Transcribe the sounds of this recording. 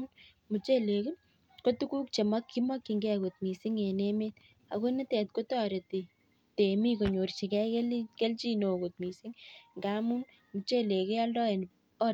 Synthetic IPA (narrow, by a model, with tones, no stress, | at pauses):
n | mu˨t͡ʃe˦le˨ku˦n | ko˦tu˦ku˦k̚t͡ʃe˨makːi˦ma˦kːi˨ŋɡe˦ko˨t̚mi˨si˦ŋe˨neme˦t̚ | a̰˨ko˦ni˦tɛ˨t̚ko˦tɔ˦ɾe˨ti˨ | te˨mi˦ko˨ɲo˨rt͡ʃi˨kɛ˦klke˦lt͡ʃi˦no˨ko˨t̚mi˨sɪ˦ŋŋɡa˦mu˦n | mu˨t͡ʃe˦le˨ke˦a˦ldɔ˦e˨n | ɔ˦